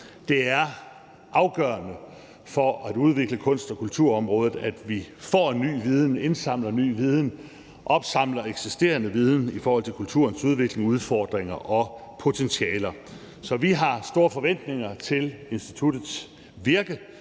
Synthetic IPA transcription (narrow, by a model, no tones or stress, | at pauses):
d̥e̝æɐ | ʔɑ̈ʊɡ̥ɶːɐnə | fɒ̽æd̥uð̞ˠʋe̝ɡ̥ləkʰɔ̽n̰sd̥ɒ̽kʰult͡sʰuɐɒ̽mʁɔ̽ːð̞ˠð̩ˠæd̥ʋifɒ̰ːenːy̰ːʋið̞ˠn̩e̝nsɑ̈m̰lɐny̰ːʋið̞ˠn̩ | ʔɒ̽b̥sɑ̈m̰lɐeɡ̥sisd̥e̝̰ːɐnəʋið̞ˠn̩ifɒːhɒl̰t͡sʰe̝kʰult͡sʰuɐnsuð̞ˠʋe̝ɡ̥le̝ŋuð̞ˠfɒ̰ːd̥ʁeŋɐʔɒ̽pʰo̝t͡sʰensiɛːlɐ | sɒ̽ʋiɦɑ̈sd̥o̝ːɐfɒ̽ʋen̰d̥ne̝ŋɐt͡sʰe̝le̝nsd̥i̥t͡sʰud̥ð̩ˠs | ʋiɐɡ̥ə